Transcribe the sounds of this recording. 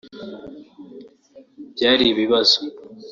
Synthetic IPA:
bjaːɾiβiβazo

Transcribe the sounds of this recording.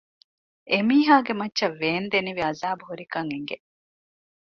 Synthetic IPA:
emiːɦaːɡemɐtːʃɐʋːeːnd̪eniʋiɐzaːbuɦuɾikɐŋeŋɡe

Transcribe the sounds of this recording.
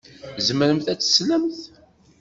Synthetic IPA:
zəməɾəmθæt͡sːə̥sləmθ

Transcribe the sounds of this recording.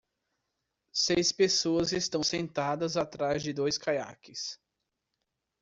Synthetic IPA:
sejspesoɐzest̪ɐ̃w̃sẽnt̪ad̪ɐzat̪ɾazd͡ʒɪd̪ojskaja̰kɪs

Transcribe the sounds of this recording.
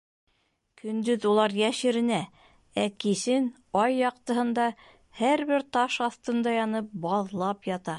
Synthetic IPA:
kʰɵ̆nd̪ɵðulˠɑɾjæʃɘ̆ɾɘ̆næ | ækisɘn | ɑjːɑq̚t̪ɤ̆ɦɤ̆nd̪ɑ | hæɾβɘɾt̪ɑʃɑθt̪ɤ̆nd̪ɑjɑnɤp̚bɑðlˠɑpjɑt̪ɑ

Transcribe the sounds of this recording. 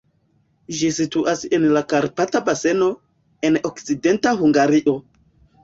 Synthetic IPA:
ʒisituʔasenlakaɾpatabase̞no̞ | e̞nokt͡side̞ntahuŋɡaɾiʔo̞

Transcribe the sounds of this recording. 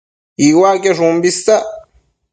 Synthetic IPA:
iwakeʐumbist̪a

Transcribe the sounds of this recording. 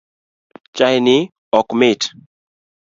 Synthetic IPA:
t͡ʃajnɪ | ɔkmɪt

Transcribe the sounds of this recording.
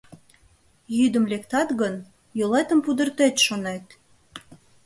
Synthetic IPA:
jyd̪ə̆mlʲekt̪ɑt̪ɣən | jolet̪ə̆mpud̪ə̆rt̪et̪ʃonet̪

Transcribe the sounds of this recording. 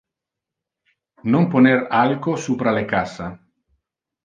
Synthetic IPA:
nomponeɾalkosupɾalekasa

